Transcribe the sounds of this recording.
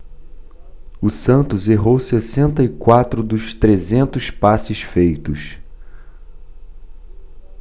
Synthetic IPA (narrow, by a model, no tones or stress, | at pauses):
ʊsɐ̃nt̪ʊzeɦowsesẽnt̪ɐikwat̪ɾʊd̪ʊst̪ɾezẽnt̪ʊspasɪsfejt̪ʊs